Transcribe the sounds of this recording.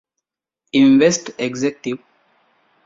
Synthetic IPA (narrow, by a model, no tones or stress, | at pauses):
ĩnʋesʈeɡzekʈiʋ